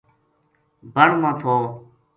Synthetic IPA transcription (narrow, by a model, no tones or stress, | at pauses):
bəɳmãːt̪ʰoː